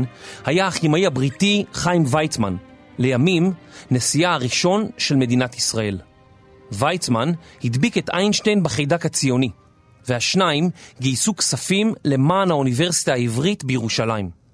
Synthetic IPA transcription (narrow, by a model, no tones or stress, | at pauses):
nhajaaχimaihabʁitiχajmvajt͡sma̰n | le̞jamimnesiaaʁiʃo̞nʃe̞lme̞dinatisʁae̞l | vajt͡smanhid̪biketʔajnʃtejnbeχejdakat͡sijo̞ni | vehaʃnaimɡijsuksafimle̞maːnhaunive̞ʁsi̥tahaivʁitbejeʁuʃalaim